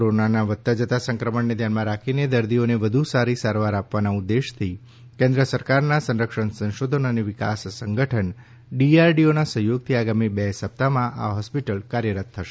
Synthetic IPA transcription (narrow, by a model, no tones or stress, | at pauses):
koɾonanaʋət̪ːad͡ʒət̪asə̃ŋkɾəməɳned̪ʱjanmãɾakʰined̪əɾd̪ioneʋəd̪ʱusaɾisaɾʋaɾapʋanaud̪ːeʃt̪ʰi | kẽnd̪ɾəsəɾkaɾnasə̃nɾəkʃənsə̃nʃod̪ʱənəneʋɪka̰ssəŋɡəʈʰəɳ | ɖiaɾɖionasəɦjoɡ̚t̪ʰiaɡamibɛsəp̚t̪amãʔa̰ɦɔspiʈəlkaɾjəɾat̪ʰːəʃe̥